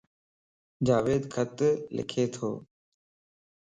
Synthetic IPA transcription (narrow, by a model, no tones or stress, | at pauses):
d͡ʒaːʋeːd̪kʰət̪lɪ̰kʰeːt̪ʰo̰ː